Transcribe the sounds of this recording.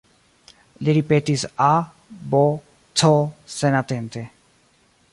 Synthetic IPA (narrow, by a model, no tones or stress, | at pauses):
leɾipet̪isa | bɔ | t͡sʰɔsenat̪ent̪e